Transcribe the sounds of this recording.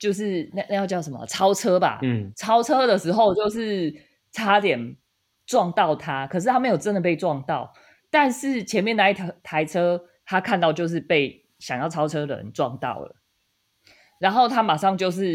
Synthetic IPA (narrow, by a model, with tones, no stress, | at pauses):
t͡ɕjo˥˧ʊʂ̬ɻ̩˥˧na˥˧na˥˧jt͡ɕjɑ˥˩ʊʂə˧˦mə̰˨˩t͡sʰɑ˥ʊt͡sʰɤ˥ba̰˨t͡sʰɑ˥ʊt͡sʰɤ˥d̪ə˨ʂɻ̩˧˥xo˥˧ʊt͡ɕjo˥˧ʊʂɻ̩˥˩ | t͡sʰa˥t̪jɛ˨˩n | ʈ͡ʂwɑ˥˧ŋt̪ɑ˥˨ʊt̪ʰa˦˥kʰə˨˩ʂ̬̩˥˩t̪a˥me˧˥ɪjo˨˩ʊʈ͡ʂə˦nd̪ə˨˩pe˥˩ɪʈ͡ʂwɑ˥˨ŋt̪ɑ˥˨ʊ | t̪a˥˧nʂɻ̩˥˩t͡ɕʰjɛ˧˥nmjɛ˥˨na˧i˥˩t̪ʰa˧˥˦ɪt͡sʰɤ˥ | t̪ʰa˥kʰa˥˧nt̪ɑ˥˧ʊt͡ɕjo˥˧ʊʂ̬ɻ̩˥˧pe˥˩ɪ | ɕjɑ˨˩ŋjɑ˥˩ʊt͡sʰɑ˥ʊt͡sʰɤ˥d̪ə̰˨˩ə̰˧˦nʈ͡ʂwɑ˥˨ŋt̪ɑ̰˥˨˩ʊlə̰˨˩ | ɻa˧˥nxo˥˩ʊt̪ʰa˥ma˨˩ʂɑ˥˧ŋt͡ɕjo˥˧ʊʂ̬ɻ̩˥˩